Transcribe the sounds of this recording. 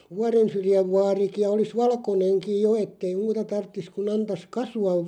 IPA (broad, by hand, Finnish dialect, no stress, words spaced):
ʋuɑrensyrjæʋ ʋɑːriki jɑ olis ʋɑlkoneŋkij jo etːei muːtɑ tɑrtːis kun ɑntɑs kɑsuɑʋ